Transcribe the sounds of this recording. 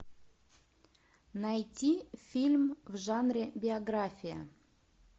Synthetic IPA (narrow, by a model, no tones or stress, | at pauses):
najtʲifʲilʲmvʐanrʲebʲɪɐɡrafʲijə̰